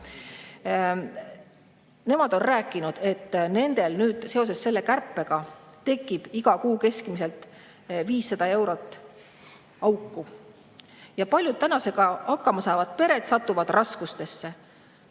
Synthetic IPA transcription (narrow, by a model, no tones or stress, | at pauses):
ne̞mɑd̪o̞nræːkːˑinud̪̥e̞t̪ːne̞nd̪e̞lnyːd̪̥se̞o̞s̬e̞sːe̞lːe̞kærpːˑe̞ɡ̥ɑt̪e̞kːˑib̥iɡ̥ɑkuːke̞skmise̞lt̪ | viːsːɑd̪̥ɑe̞wɾo̞t̪ːˑ | ɑwkːˑu | jɑpɑlʲjud̪̚t̪ænɑse̞ɡ̥ɑɑkːɑmɑsɑevɑd̪̥̚pe̞ɾe̞t̪sɑt̪ːˑuvɑd̪̥rɑskust̪e̞sːe̞